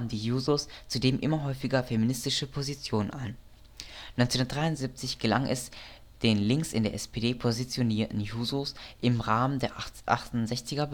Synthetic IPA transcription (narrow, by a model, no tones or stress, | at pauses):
n̩diːjuːzost͡sudeːmʔɪ̰mɐɦɔʏfɪɡɐfeminɪstɪʃəpʰozit͡sjoːnənʔa̰ɪn | nɔʏt͡senʊndɐtd̥ʁaɪʊnz̥ip̚t͡sɪçɡ̥əlaŋʔɛ̰s | d̥eːnlɪŋksɪ̰ndeːɐʔɛspedeːpʰozit͡sjoniːɐtn̩juːzosʔɪmʁaːməndeːɐʔa̰χtʊnzɛçt͡sɪɡɐb